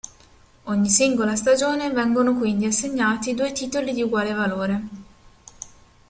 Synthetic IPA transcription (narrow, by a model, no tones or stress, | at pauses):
oɲːisiŋɡolast̪ad͡ʒoːnevɛŋɡonokwind̪iasːeɲːaːt̪id̪uːet̪iːt̪olid̪iuɡwaːlevaloːɾe